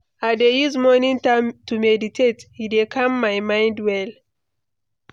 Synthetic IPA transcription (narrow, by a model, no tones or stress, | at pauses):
adeizmɔnĩŋtãmtumɛditʰethidekʰãmːaɪmãɪ̃ndwɛl